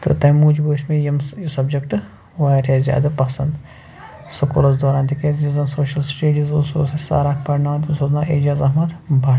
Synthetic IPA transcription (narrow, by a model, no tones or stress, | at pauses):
t̪ɨ̰t̪ɐmuːd͡ʒbosmẽjɐmsɐbd͡ʒɐkʈ | ʋaːɾezja̰ːd̪ɐpɐsɐ̰nd̪ | sɐko̰ːlɐzd̪aːɾaːnt̪ikezizɐnsoːʃɐlsʈeːɖizusosɐsa̰ːɾaːkʰpɐɾnaːt̪usoznaːʔeːd͡ʒaːzɐɦmɐd̪bʱaː